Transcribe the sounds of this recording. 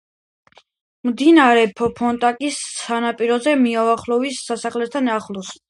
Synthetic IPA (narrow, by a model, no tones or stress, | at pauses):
md̪inaɾɛpʰɔpʰɔnt̪ʼakʼisːanapʼiɾɔzɛmiaaχlˠɔvisːasaχlɛt̪t̪ʰanaχlˠɔs